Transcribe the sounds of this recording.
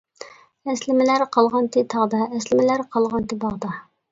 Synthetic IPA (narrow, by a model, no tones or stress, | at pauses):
æslɪmɪlæɾqʰɑlˠʁɑnt̪ʰit̪ʰɑʁd̪ɑɛslɪmɪlæɾqʰɑlˠʁɑnt̪ibɑʁd̪ɑ